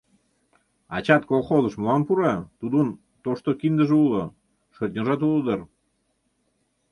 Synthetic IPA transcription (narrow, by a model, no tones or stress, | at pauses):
ɑ̰t͡ɕɑt̪kolχozə̆ʃmolɑmpuɾɑt̪ud̪un | t̪oʃt̪okind̪ə̆ʒeulo | ʃərt̪ʲnʲoʒɑt̪̬uləd̪ər